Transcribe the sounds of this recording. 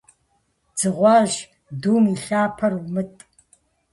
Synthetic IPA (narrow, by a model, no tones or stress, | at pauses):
d͡z̥ɨʁʷɑːʒ | duːmiːɬaːpʰɐrumɨtʼ